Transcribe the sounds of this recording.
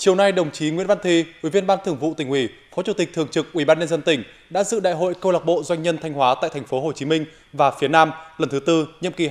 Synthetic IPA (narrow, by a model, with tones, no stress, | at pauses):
t͡ɕi˨˩əwna˧jɗə˨˩wŋ͡mt͡ɕi˨˦ŋwḭ˧˥ənva˧nt̪ʰi˧ʔḭ˧˩vi˧ənɓaː˧nt̪ʰɨ˧˩əŋvṵ˧˨t̪ï˨˩ŋhwi˧˩fɔ˨˦t͡ɕu˧˩t̪ï˨˩k̚t̪ʰɨ˨˩əŋt͡ɕɨ˨˩k̚ʔwi˧˩ɓaː˧nɲə˧nzə˧nt̪ï˧˩ŋ̟ | ɗa̰ː˧˥zɨ̰˧˨ɗa̰ː˧˨jɦo̰˧˨jkə˧wla˨˩k͡p̚ɓo̰˧˨zwa˧jŋ̟ːɲə˧nt̪ʰa˧jŋ̟hwaː˨˦t̪a̰ː˧˨t̪ʰŋ̟fo˨˦ɦo˨˩t͡ɕi˨˦mï˧ŋ̟ | vaː˨˩fi˨˦ənaː˧mlə˨˩nt̪ʰɨ˨˦t̪ɨ˧ɲɨ̰˧˨əmki˨˩